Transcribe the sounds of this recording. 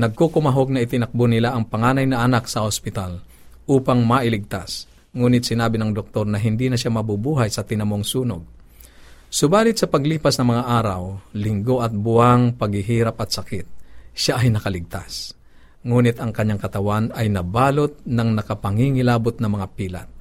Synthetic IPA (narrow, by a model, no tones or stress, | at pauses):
nɐɡ̚kokʊmɐɦoɡ̚nɐʔɪt̪ɪnɐk̚bonɪlaʔɐŋpɐŋaːnɐjnɐʔɐnak̚sɐhospɪt̪al | ʔuːpaŋmɐʔɪlɪɡ̚t̪as | ŋuːnɪt̪̚sɪnaːbɪnɐŋd̪ok̚t̪o̞ɾnɐɦɪnd̪inɐʃamɐbubuːɦajsɐt̪ɪnɐmoŋsuːnoɡ̚ | sʊbaːlɪt̪sɐpɐɡliːpɐsnɐŋmɐŋaʔaːɾɐwlɪŋɡo̞ʔɐt̪̚bʊʔaŋpɐɡhɪɦiːɾapɐt̪sɐkɪt̪̚ʃaʔɐjnɐkɐlɪɡ̚t̪as | ŋuːnɪt̪ɐŋkɐɲːaŋkɐt̪ɐwanɐjnɐbaːlot̪̚nɐŋnɐkɐpɐŋiŋɪlaːbot̪̚nɐŋmɐŋapiːla̰t̪̚